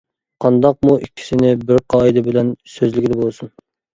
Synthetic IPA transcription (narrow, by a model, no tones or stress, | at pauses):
qʰɑnd̪ɑq̚muʔikʲʰːi̥sɪnɪbɪɾqʰɑːid̪ɨbɪlɛnsøzlɪkʲʰid̪ɛbolˠsun